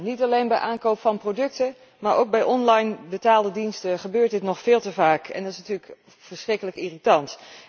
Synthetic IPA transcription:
nitɑlejnbɛjʔaːnkowpfɑnprodɵk̚tə | maːɹʔowk̚bɛjʔɔnlɑjnbətaːlˠdədinstəχəbøːɹt̚dɪtnɔχfɪːlˠtəvaːkɛ̰ndɑtɪsnətyːɹlək | vəɹsχrɪkələkiritɑnt

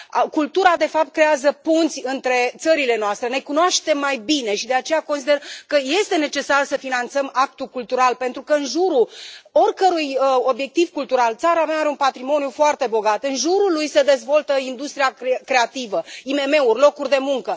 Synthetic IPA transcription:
kult̪uɾad̪e̞fap̚t̪̚kɾe̞azəpunt̪sʲɨnt̪ɾe̞t̪səɾile̞noast̪ɾe̞ne̞kunoaʃt̪e̞mːajbine̞ʃid̪e̞at͡ʃe̞jako̞nsid̪erkəje̞st̪e̞ne̞t͡ʃe̞sarsəfinant̪səmak̚t̪ukult̪uɾalpe̞nt̪ɾukəɨnʒuɾuo̞rʲkəɾujo̞bje̞k̚t̪ivkult̪uɾalt̪saɾamaaɾeunpat̪ɾimo̞nijufoart̪e̞bo̞ɡat̪ɨnʒuɾulujse̞d̪e̞zvo̞lt̪əind̪ust̪ɾijakɾe̞at̪ivəime̞me̞urʲlo̞kurʲd̪e̞muŋkə

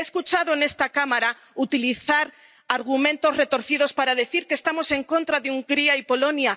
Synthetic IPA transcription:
eeskut͡ʃaðoene̞st̪akamaɾa | ut̪iliθaɾ | aɾɣ̞umẽ̞nt̪o̞zre̞t̪o̞ɾθið̞o̞spaɾaðe̞θiɾkest̪amo̞se̞ŋko̞nt̪ɾaðeuŋɡɾiaipo̞lo̞nja

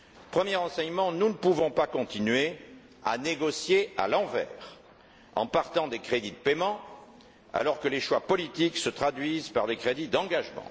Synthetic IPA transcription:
pχəmjɛʁɑ̃sɛɲmɑ̃nunəpuvɔ̃pakɔ̃t̪inɥe | a̰neɡɔsjea̰lɑ̃vɛ̰ːʁ | ɑ̰̃paʁt̪ɑ̃d̪ekχed̪id̪əpemɑ̃ | a̰lɔʁkəleʃwapɔlit̪iksət̪χad̪ɥizpaʁd̪ekχed̪id̪ɑ̃ɡaʒmɑ̰̃

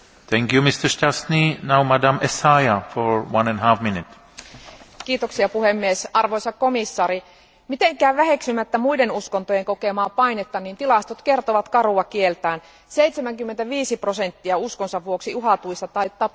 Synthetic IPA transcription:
θɛ̃ŋkjumɪst̪ə˞stasninawmadãmesajafɔɹwãnɛ̃nɦafmɪnɪt̪ | kiːt̪oksiɑpuhemːiesɑrʋoisɑkkomisːɑːɾi | mit̪eŋkæːʋʋæheksymæt̪ːæmuidenuskont̪ojeŋkokemɑːpɑinet̪ːɑniːnt̪ilɑst̪ot̪kert̪oʋɑt̪kɑruɑkielt̪æːn | seit̪semæŋkymːent̪æʋiːsiprosent̪ːiæuskonsɑʋʋuoksiuɦɑt̪uist̪ɑt̪ɑit̪ːɑp

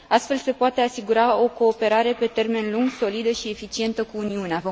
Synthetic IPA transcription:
ast̪fe̞lse̞poat̪e̞asiɡuɾao̞ko̞ːpe̞ɾaɾe̞pe̞t̪e̞rme̞nluŋɡso̞lid̪əʃie̞fit͡ʃie̞nt̪əkuːniunea

